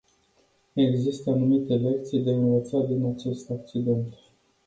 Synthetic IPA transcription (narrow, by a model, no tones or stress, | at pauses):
e̞ɡzist̪əanumit̪e̞le̞k̚t̪sijd̪e̞ɨnvət̪sad̪inat͡ʃe̞st̪ak̚t͡ʃid̪e̞nt̪